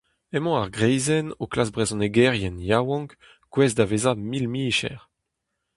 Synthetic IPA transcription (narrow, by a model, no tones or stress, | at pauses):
ɛmɑ̃aʁɡʁɛjzɛnoklasbʁezɔ̃neɡɛʁjɛnjawɑ̃ŋk | kwɛzdavezamilmiːʃɛ̰ʁ